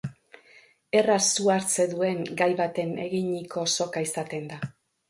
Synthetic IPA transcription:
e̞rasuaɾt͡se̞ðue̞ŋɡajβat̪e̞ne̞ɣiɲiko̞so̞kaisat̪e̞nd̪a

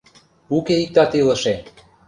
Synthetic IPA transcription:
ukeik̚t̪ɑt̪ilə̆ʃe

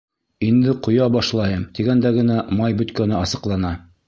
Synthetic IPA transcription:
ind̪ɘqŏjɑbɑʃlˠɑjɤmt̪iɡænd̪æɡɘ̆næmɑjbɵ̆t̪kænɘɑsɤ̆qlˠɑnɑ

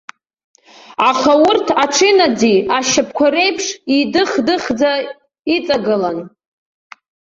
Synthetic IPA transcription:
aχawʊrtʰaʈ͡ʂʰɪnad͡ziaʃapʰkʷʰaɾe̞jpʰʂidɨχdɨχd͡za | it͡sʼaɡɨlan

